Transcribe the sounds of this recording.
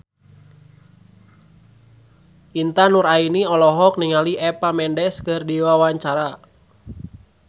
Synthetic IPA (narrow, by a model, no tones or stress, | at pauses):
int̪anuɾainiɔlɔɦɔk̚niŋaliʔɛpamɛndɛskɨrdiwawaɲt͡ʃaɾa